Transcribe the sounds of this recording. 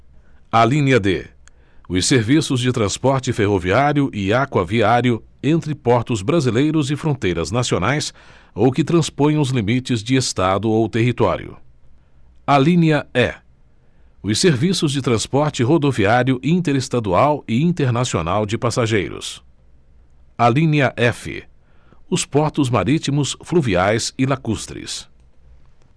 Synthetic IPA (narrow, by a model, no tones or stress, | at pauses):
alĩnʲɐd̪ḛ | ʊseɾvisʊzd͡ʒɪt̪ɾɐ̃spɔɾt͡ʃɪfeɦoviaɾjʊʔɪakwɐviaɾjʊẽnt̪ɾɪpɔɾt̪ʊzbɾazilejɾʊzɪfɾõnt̪ejɾɐznasionajs | owkɪt̪ɾɐ̃spõj̃ʊzlimit͡ʃɪzd͡ʒɪest̪ad̪ʊowt̪eɦit̪ɔ̰ɾj̰ʊ̰ | alĩnɐɛ̰ | ʊseɾvisʊzd͡ʒɪt̪ɾɐ̃spɔɾt͡ʃɪɦod̪oviaɾjʊʔĩt̪eɾest̪ad̪uawɪĩnt̪eɾnasio̰nawd͡ʒɪpasaʒejɾʊ̰s | alĩnɐʔɛfɪ̰ | ʊspɔɾt̪ʊzma̰ɾit͡ʃimʊsfluviajsɪlakust̪ɾɪ̰s